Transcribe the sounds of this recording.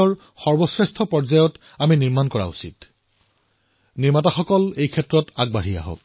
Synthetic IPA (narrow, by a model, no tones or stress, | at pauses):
ɔɹ | xɔɹbɔsɹestʰɔpɔɹzajɔt | aminiɹmankɔɹa̰usit | niɹmataxɔkɔlejkʰɛtɹɔtaɡ̚baɹ̤ija̰ɦo̰k̚